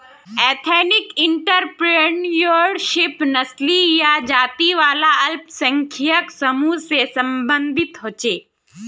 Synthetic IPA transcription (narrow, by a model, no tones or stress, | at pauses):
ɛːt̪ʰeːnɪkɪɳʈəɾpɾeɳjoɽʃɪpnɐslijad͡ʒaːt̪iʋaːlaɐlpsə̃ŋkʰijəksɐmusesɐ̃mbə̃nd̪ʱɪt̪ɦoːt͡ʃeː